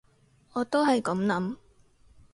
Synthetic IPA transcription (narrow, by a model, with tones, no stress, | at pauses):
ɔː˨˧t̪o˥wɦɐ˨jkɐ˨˥mlɐ˨˥m